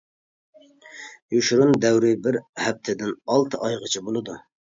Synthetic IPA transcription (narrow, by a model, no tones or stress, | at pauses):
juʃɾund̪ɛwɾɪbɪɾhɛp̚t̪ʰɪd̪ɪnɑlˠt̪ʰɨʔɑjʁət͡ʃʰibolˠɨd̪u